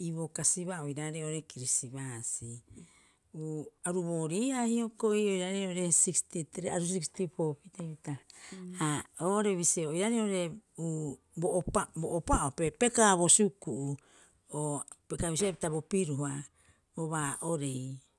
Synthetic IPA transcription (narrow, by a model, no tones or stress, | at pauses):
iβo̞kasiβaoiɾaɾeoɾekiɾisiβasi | uaɾuβo̞ːɾiːahiokoiojɾaɾeoɾesikstitɾeaɾusikstipo̞piteβitaaoɾeβiseojɾaɾeoɾe̞u | boʔaboːpaopepe̞kaβosukuʔu | opekaβis̬iepitaβo̞piɾuha | oβaʔoɾe̞j